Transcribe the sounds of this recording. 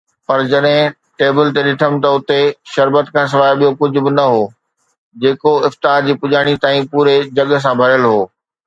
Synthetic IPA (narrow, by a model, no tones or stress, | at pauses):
pɐɾd͡ʑɐɗɦɪ̃ | ʈeːbɪlt̪eɗɪʈʰəm̆t̪ɐʊt̪eʃɐɾbət̪kʰãːs̬ɪʋaːɪɓijokʊd͡ʑʱʊ̆bɪnɐɦoː | d͡ʑeːkoɪft̪aːɾd͡ʑiːpʊʄaːɽ̃it̪aːĩpuːɾed͡ʑɐɠs̬ãbʱɐɾəlɦoː